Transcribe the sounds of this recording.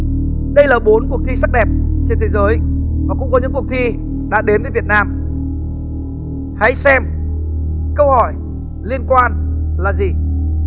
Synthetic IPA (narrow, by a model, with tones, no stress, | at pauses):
ɗə˧jlaː˨˩ɓo˨˦nku˨˩ək̚t̪ʰi˧sa˦˥k̚ɗɛ˨˩p̚t͡ɕe˧nt̪ʰe˨˦jzəː˨˦jvɔ̰˨kʊ̰˧˥ŋ͡mkɔ˨˦ɲɨ̰˧˥ŋkək̚t̪ʰi˧ | ɗa̰ː˧˥ɗe˨˦nvə˨˦vət̚naː˧m | ha̰˧˥jsɛ˧m | kə˧whɔ˧˩j | li˧ənkwaː˧nlaː˨˩zi˨˩